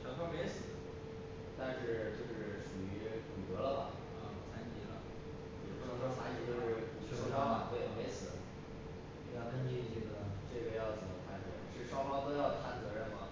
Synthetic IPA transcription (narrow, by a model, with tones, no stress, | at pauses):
ʂʰɑ˧˥ŋʂʰme˧˥ɪsɹ̩˨˩d̪ | t̪a˥˧nʂɻ̩˥˩t͡ɕjo˥˧ʊʂɻ̩˥˩ʂu˨˩y˧˥kʊ˨˩t̪ɤ˧˥lə˧˨bɐ˨ | ə˧˩˨t͡sʰa˥nt͡ɕi˥nlə̰˧˩˥ | ʂɑ˥fa˧˥i˥˩t͡ɕjo˥˧ʊʂɻ̩˥˩ʂʰʂ̩˧˥ʂɑ˥ma˨˩we˥˩ɪjo˧˩me˧˥ɪsɹ̩˨˩˦ | jnə˥nt͡ɕi˥˧t͡ɕi˥˩d̪ə˩ʈ͡ʂɤ˥˩ɡə˩jɑ˥˩ʊt͡sə˨˩mə˧˦˥t̪ʰa˥˩nt͡sɤ̰˧˥ə̰˧ʂɻ̩˥˩ʂwɑ˥ŋfɑ˥ŋt̪o˥ʊjɑ˥˧ʊt̪ʰa˥˩nt͡sɤ˧˥ɻə˧˥˩nmɐ˩